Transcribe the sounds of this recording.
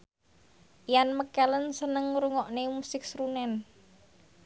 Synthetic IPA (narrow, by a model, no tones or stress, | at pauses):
ijanməkɛlənsənəŋɾuŋɔʔnemusɪk̚sɾunɛn